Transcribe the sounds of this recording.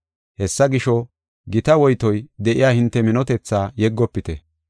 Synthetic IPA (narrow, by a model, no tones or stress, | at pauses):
hɛsːɐɡɪʃɔ | ɡɪt̪ɐwɔjt̪ɔjd̪ɛʔɪjaːhɪnt̪ːɛmɪnɔt̪ɛt͡sːaːjɛɡːɔpːɪt̪ɛ